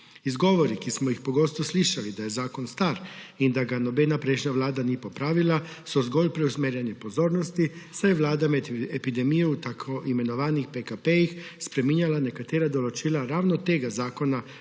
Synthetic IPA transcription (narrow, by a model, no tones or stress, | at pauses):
izɡoʋoɾikismɔjixpoɡost̪osliʃalid̪aje̞zaːkonst̪aːɾind̪aɡanobeːnapɾeʃɲaʋlaːd̪anipopɾaːʋilasozɡolpɾeusmeɾjenipozo̞ːɾnost̪isajeʋlaːd̪amed̪epid̪emijout̪akʰoʔime̞noʋaːnixpekapejixspɾemiɲalanekat̪eɾad̪olot͡ʃilaɾaːʋnot̪eɡazaːkona